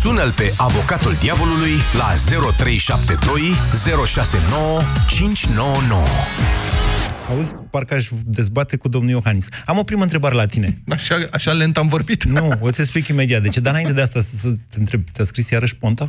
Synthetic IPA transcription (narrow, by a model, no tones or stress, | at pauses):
sunəlpe̞ʔavo̞kat̪uld̪iavo̞lulujla̰ze̞ɾo̞t̪ɾe̞jʃap̚t̪e̞d̪o̞jze̞ɾo̞ʃase̞no̞wət͡ʃint͡ʃʲno̞wəno̰wə̰ | aud̪zʲparkəaʃʲd̪e̞zbat̪e̞kud̪o̞mnuljo̞xanisamo̞pɾiməɨnt̪ɾe̞baɾe̞lat̪ine̞aʃaaʃalent̪amvo̞rbit̪nuot̪sʲes̬plikime̞d̪iat̪d̪e̞t͡ʃed̪anaint̪e̞d̪east̪asəsət̪ent̪ɾe̞b̚t̪sʲaskɾisjaɾəʃʲpont̪a